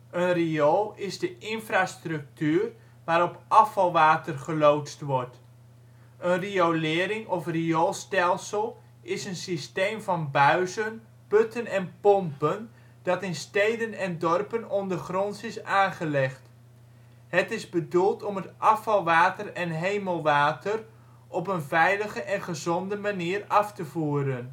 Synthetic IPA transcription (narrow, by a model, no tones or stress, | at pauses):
ənriolˠɪzdəʔɪnfraːstrɵk̚tyːr | ʋaːɾɔpʔɑfɑlˠʋaːtərχəlowtstʋɔɹt | ənriolɪːɾɪŋɔfriolˠstɛlˠsəlˠ | ɪsənsistejmvɑnbœɥzən | pɵtʰənɛnpɔmpən | d̥ɑtɪnstejdənɛndɔrpənɔndərχrɔnsɪsaːnχəlɛχt | hətɪzbədulˠtɔmətʔɑfɑlˠʋaːtərɛnɦejməlˠʋaːtʰər | ʔɔpənvɛjləχəʔɛnχəzɔndəmaniːrɑftəvuːəɾən